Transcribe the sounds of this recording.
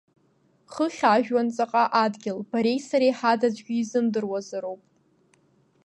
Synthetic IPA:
χəχʲaʒᶣwant͡sʼaqʼaʔadɡʲɪlbaɾe̞jsaɾejħadad͡zɡʲɪizɨmdɨrwazaɾowpʼ

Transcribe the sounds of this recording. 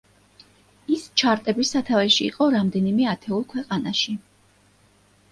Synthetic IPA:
ist͡ʃʰaɾt̪ʼɛbisat̪ʰavɛʃḭːqʼɔɾamd̪ɛnimɛat̪ʰɛulˠkʰwɛqʼanaʃi

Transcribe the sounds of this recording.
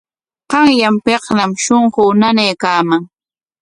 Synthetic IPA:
qɑŋjampeqnamʃoɴɢʊnanejkaːmaŋ

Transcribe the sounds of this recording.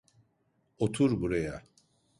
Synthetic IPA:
ot̪ʰuɾbuɾaja

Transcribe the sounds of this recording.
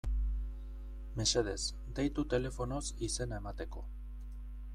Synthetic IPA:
me̞se̞ðe̞z | d̪ejt̪ut̪e̞le̞fo̞no̞sise̞nae̞mat̪e̞ko̞

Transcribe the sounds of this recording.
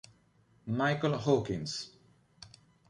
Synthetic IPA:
majkəlˠɦokɪ̃ns

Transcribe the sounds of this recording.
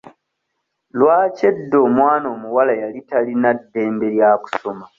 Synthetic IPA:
lwaːce̞dːo̞ːmwaːno̞ːmuwalajalitalinadːe̞ːmbeɾjaːku̥so̞ma

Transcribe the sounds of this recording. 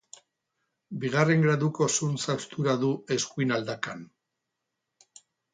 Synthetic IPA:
biɣ̞are̞ŋɡɾaðuko̞sunsawst̪uɾaðue̞skuinald̪akan

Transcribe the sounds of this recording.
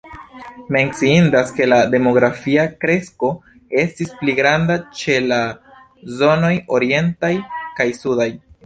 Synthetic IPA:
me̞nt͡siindaske̞lade̞mo̞ɡɾafiakɾe̞sko̞ | e̞stispliɡɾandat͡ʃe̞la | zo̞no̞jo̞ɾie̞ntajkajsudaj

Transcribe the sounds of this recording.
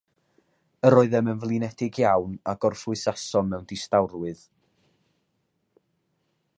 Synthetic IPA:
əɾoːɨðɛmənvlˠinɛdɪɡjawnaɡɔrfʊɨsasɔnmɛwndɪstawrwɨð

